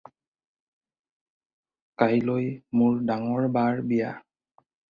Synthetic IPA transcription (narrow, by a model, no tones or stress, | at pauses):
kajlojmʊɹdaŋɔɹbaɹbija̰